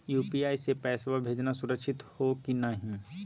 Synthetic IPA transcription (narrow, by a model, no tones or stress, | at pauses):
juːpiaːisepɛːsʋabʱeːd͡ʒnasʊɾəkʃɪt̪hokinɐɦĩ